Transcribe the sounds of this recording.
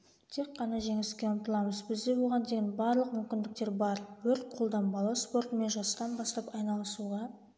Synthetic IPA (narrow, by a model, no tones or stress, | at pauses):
t̪ʰe̞kːɑnɑʒe̞ŋɪskʲeʊmt̪əlˠɑməzbɪzd̪e̞bo̞lˠʁɑnd̪e̞ɡʲɪnbɑɾlˠəq̚mʏmkʲɪnd̪ɪk̚t̪eɾbɑɾwɵɾt̪̚qʰolˠd̪ɑnbɑlˠɑspo̞ɾt̪me̞nʒɑst̪ɑnbɑst̪ɑpɑjnɑlˠəsuʁɑ